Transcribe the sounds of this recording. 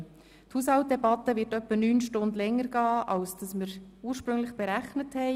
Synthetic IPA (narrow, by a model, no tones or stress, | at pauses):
thuːshɑlt̚dɛbɑtːəvɪɾtœpːənyːnʃtʊndlɛŋːəɾɡ̥ɑːʔɑlsd̥ɑsməɾuːəɾʃpɾɵŋlɪχb̥ɛɾæχnəthɛɪ